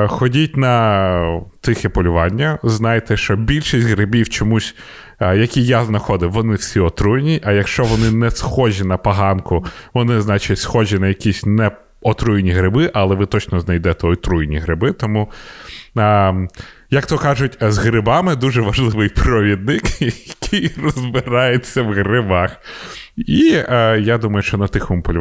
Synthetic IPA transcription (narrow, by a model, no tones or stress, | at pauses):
xɔdʲitʲnɐ | t̪ɪxɛpɔlʲʊʋɑnʲːɐznɑjt̪ɛʃt͡ʃɔbʲilʲʃisʲtʲɦɾɪbʲiwt͡ʃɔmusʲ | jɐkʲijaznɐxɔd̪ɪʋɔnɪwsʲiɔt̪ɾujnʲiʔɐjɐkʃt͡ʃɔʋɔnɪnɛsxɔʒʲinɐpɐɦɑnkʊʋɔnɪznɑt͡ʃɪtʲsxɔʒʲinɐjɐkʲisʲnɛ | ɔt̪ɾujnʲiɦɾɪbɪʔɐlˠɛʋɪt̪ɔt͡ʃnɔznɐjd̪ɛt̪ɛɔjt̪ɾujnʲiɦɾɪbɪt̪ɔmu | jɐkt̪ɔkɑʒʊtʲzɦɾɪbɑmɪd̪uʒɛʋɐʒlˠɪʋɪjpɾɔʋʲid̪̚nɪkjɐkʰɪjrɔzbɪɾɑjet͡sʲːɐwɣɾɪbɑx | ijad̪umɐjʊʃt͡ʃɔnɐt̪ɪxɔmpɔlʲ